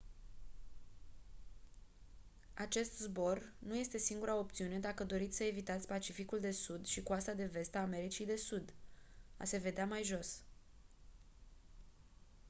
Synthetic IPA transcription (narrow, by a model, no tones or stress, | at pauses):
at͡ʃe̞st̪zbo̞rnuje̞st̪e̞siŋɡuɾao̞p̚t̪siune̞d̪akəd̪o̞ɾit̪sʲsəe̞vit̪at̪sʲpat͡ʃifikuld̪e̞sud̪ʃikuast̪ad̪e̞ve̞st̪aːme̞ɾit͡ʃijd̪e̞sud̪a̰se̞ve̞d̪eamajʒo̞s